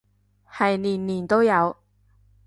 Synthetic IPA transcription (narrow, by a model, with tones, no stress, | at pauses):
hɐ˨jniː˨˩nliː˨˩nt̪o˥wjɐ˨˧w